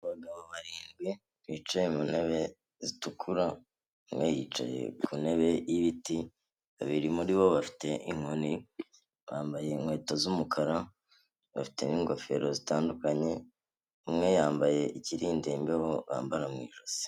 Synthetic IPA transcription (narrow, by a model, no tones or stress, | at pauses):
βaɡaβoβaɾiːŋɡwi | βiːt͡ʃajemune̞βe̞ | zitukʰuɾa | umŋejiːt͡ʃa̰je̞̰kʰune̞βe̞jiβiti | βaβiɾimuɾiβo̞βafi̥te̞ʔiŋ̥honi | βaːmbaje̞ŋwe̞ːtozumukʰaɾa | βafi̥teniŋɡo̞fe̞̰ɾo̞zitaːndukaɲe̞ | umŋe̞jaːmbaje̞ʔiciɾiːndeːmbeho̞βa̰ːmbaɾamwḭːʒoz̥i̥